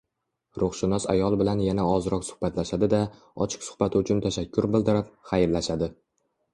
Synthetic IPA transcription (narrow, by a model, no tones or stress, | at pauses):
ɾʊχʃɪnɒsa̰jɒlˠbɪlanjanaɒzɾɒqsʊ̥hbat̪laʃad̪ɪd̪a | ɒt͡ʃʰɪ̥qsʊ̥χbat̪ʰɪʊt͡ʃʰʊnt̪ʰaʃakʲʰːʊɾbɪld̪ɪɾɪp̚χajɪlːaʃad̪ɪ